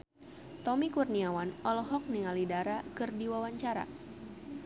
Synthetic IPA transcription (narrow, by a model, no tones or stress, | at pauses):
t̪ɔmikurniawanɔlɔɦɔk̚niŋalidaɾakɨrdiwawaɲt͡ʃaɾa̰